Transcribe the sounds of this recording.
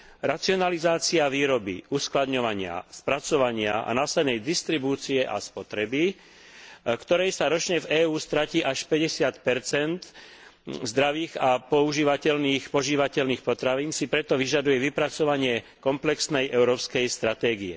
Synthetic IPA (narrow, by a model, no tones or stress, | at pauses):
ɾat͡siɔnalizaːt͡siaʋiːɾɔbḭusklad̪ɲɔʋaɲɪa̰spɾat͡sɔʋaɲɪa̰ʔa̰naːsɛd̪nɛjd̪ist̪ɾibuːt͡siɛʔa̰spɔt̪ɾɛbi | kt̪ɔɾɛjsaɾɔt͡ʃɲɛvɛːuːst̪ɾaciːʔaʃpɛɟɛsɪat̪pɛɾt͡sɛnt̪ | zd̪ɾaʋiːɣapɔuʒiːʋacɛʎniːxpɔʒiːʋacɛʎniːxpɔt̪ɾaʋiːnsipɾɛt̪ɔʋiʒad̪ujɛʋipɾat͡sɔʋaɲɪɛ | kɔmplɛksnɛjʔɛʊɾɔːpskɛjst̪ɾat̪ɛːɡijɛ̰